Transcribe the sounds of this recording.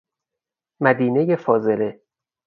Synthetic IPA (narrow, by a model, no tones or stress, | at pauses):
mæd̪iːne̞jefɒːze̞le